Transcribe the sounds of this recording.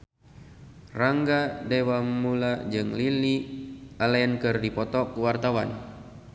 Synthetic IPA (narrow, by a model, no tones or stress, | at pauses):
raŋɡadewamulad͡ʒɨŋlilialɛnkɨrdipɔt̪ɔkwart̪awan